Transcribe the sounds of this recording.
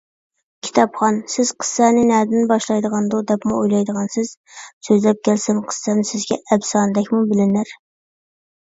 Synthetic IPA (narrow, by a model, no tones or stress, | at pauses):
kʲʰi̥t̪ʰɑpχɑnsɪz̥qʰə̥sːɛnɪnæːd̪ɪnbɑʃlˠɑjd̪əʁɑnd̪ud̪ɛpmuojlˠɑjd̪əʁɑnsɪz̥søzlɛp̚kʲʰælsɪnqʰə̥sːɛnɪsɪzɡʲɛɛbsɑːnɨd̪ɛkʲmubɪlɪnæɾ